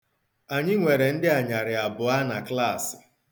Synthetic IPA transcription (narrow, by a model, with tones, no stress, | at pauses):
a˨ɲɪ˦ŋʷe˨ɾe˨n̩˦dɪ˦a˨ɲa˨ɾɪ˨a˨bʊ˨a˦na˨kla˦˨sɪ̥˨